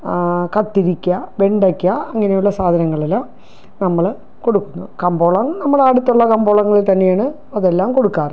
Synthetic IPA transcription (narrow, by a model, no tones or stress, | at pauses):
kɐt̪ːiɾikʲːɐʋe̞ɳɖɐkʲːɐɐŋːɐnejuɭːɐsaːd̪ʱɐnɐŋːɐɭelːam | nɐmːɐɭ | ko̞ɽukːunːukɐmbo̞ːɭɐŋnɐmːɐɭaːɽut̪ːuɭːɐkɐmbo̞ːɭɐŋːɐɭilt̪ɐnːe̞jaːɳɨ | ɐðe̞lːaːmko̞ɽukːaːr